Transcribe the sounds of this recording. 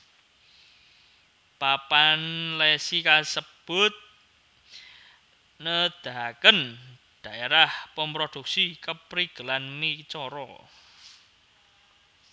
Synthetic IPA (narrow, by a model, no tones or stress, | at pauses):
papanlɛsikasəb̥ʊt̪̚ | nəd̪̥a̤kən | d̪̥ä̤ʔeɾahpəmpɾod̪̥ṳk̚sikəpɾiɡ̥ə̤lanmit͡ʃɔɾɔ̰